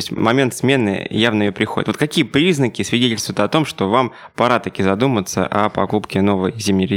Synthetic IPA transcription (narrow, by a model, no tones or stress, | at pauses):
osʲtʲmɐmʲe̞nt̪smʲenɨ̰javnəɪjopɾʲɪxo̞dʲɪt̪vot̪kɐkʲijəpɾʲiznəkʲɪsvʲɪdʲetʲɪlʲst̪vʊjɪt̪ɐt̪o̞mʂt̪o̞vam | pɐɾat̪ɐkʲizɐd̪umət̪sə̰ʔɐpɐkupkʲɪno̞vəjzʲimnʲɪrɪ